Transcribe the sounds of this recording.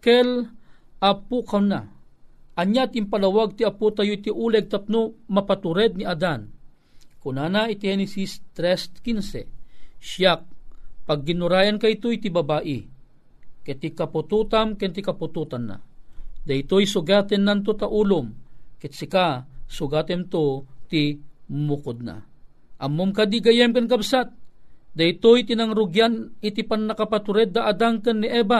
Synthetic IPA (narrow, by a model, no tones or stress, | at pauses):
kɛl | apukawna | ʔɐɲjat̪impalawaɡ̚t̪iaput̪ajoit̪iʔuːlɛɡ̚t̪ap̚nomɐpat̪ʊɾɛd̪̚niad̪an | kʊnaːnait̪ihɛnɛsist̪ɾɛst̪kinsɛʃjak̚paɡ̚ːɪnʊɾaːjankait̪oit̪ibabaːʔi | kɛt̪ikɐput̪uːt̪amkɛnt̪ikɐput̪uːt̪anːa̰d̪ɐjt̪ojsʊɡaːt̪ɛnːant̪̬ot̪aʔulʊmkɛt̪sɪkasʊɡaːt̪ɛnt̪ot̪imʊkʊd̪̚na̰ | ʔɐmːumkad̪iɡɐjɛmkɐnkabsat̪̚d̪ɐjt̪ojt̪inaŋɾʊɡjanɪt̪ipanːɐkapat̪ʊɾɛd̪aʔad̪aŋkɐnːiʔɛːba